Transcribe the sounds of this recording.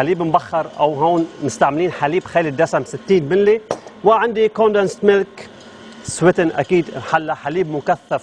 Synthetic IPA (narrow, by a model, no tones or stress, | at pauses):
aliːbɪmbaxːɑɾˤʔa̰wɦoːnmɪst̪aʕmɪliːnħaliːbxaːlid̪ːasamsɪt̪ːiːnmɪnliwaʕand̪ikond̪ɛnst̪mɪlk | swɪt̪ɪnʔa̰kiːd̪ħalːaħaliːbmʊkaθːaf